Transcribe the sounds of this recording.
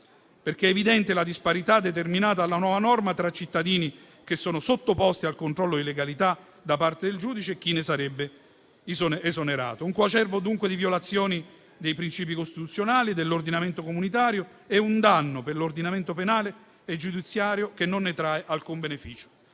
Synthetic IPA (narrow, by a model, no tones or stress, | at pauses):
perk̟eɛvid̪ɛnt̪elad̪ispaɾit̪ad̪ːet̪̬erminaːt̪aːlːanwɔːvanɔrmat̪ɾat͡ʃːit̪ːad̪iːni | kesːɔːnosot̪ːopɔst̪ialkont̪ɾɔlːod̪ileɡalit̪a | d̪apart̪ed̪eld͡ʒuːd̪it͡ʃek̟ːinesaɾɛbːe | zoezoneɾa̰ːt̪ouŋkwat͡ʃɛrvod̪uŋkwed̪ivjolat̪sːjɔːni | d̪ejpɾint͡ʃiːp̬ikost̪it̪ut̪sjonaːlid̪elːord̪inament̪okomunit̪aːɾjo | ɛund̪anːoperlord̪inament̪openaːle | ed͡ʒud̪it̪sːjaːɾjokenːonːet̪ɾaeʔalkumbenefiːt͡ʃo̥